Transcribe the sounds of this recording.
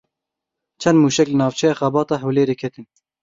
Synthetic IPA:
t͡ʃʰɛnd̪muːʃɛklɨnɑːvt͡ʃʰɛjɑːxɑbɑːt̪ɑːɦɛwleːɾeːkʰɛt̪ʰɨn

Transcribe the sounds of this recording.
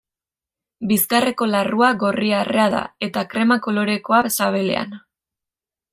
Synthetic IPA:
bisɡare̞ko̞laruaɣo̞riare̞aða̰e̞t̪akɾe̞mako̞lo̞ɾe̞ko̞asaβ̞e̞le̞̰a̰n

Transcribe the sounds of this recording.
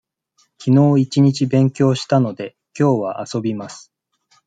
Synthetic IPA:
kʲino̞ːit͡ɕiɲ̟it͡ɕibẽ̞ŋkʲo̞ːɕi̥t̪ano̞d̪e̞ | kʲo̞ːβaʔaso̞bʲimasɨ̥

